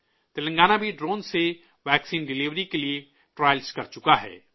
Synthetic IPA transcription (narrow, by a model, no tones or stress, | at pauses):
t̪ɪlə̃ŋɡaːnabʱiɖɾoːnse | ʋɛːksiːnɖɪliːʋɾikelie | ʈɾaːjlskɐɾt͡ʃʊkaɦɛ̰ː